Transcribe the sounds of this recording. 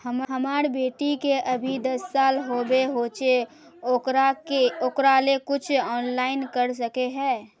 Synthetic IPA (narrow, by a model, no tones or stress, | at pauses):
hɐmɦɐmaːɾbeːʈikeʔɐbʱid̪ɐsːaːlɦoːbeɦoːt͡ʃe | ɾaeokɾaːlekʊt͡ʃʰɔːnlaːɪnkɐɾs̬ɐkeɦɛ̃ː